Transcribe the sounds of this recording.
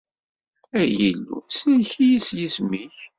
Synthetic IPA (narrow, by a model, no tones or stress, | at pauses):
æjəlːṵsnçijisjismiç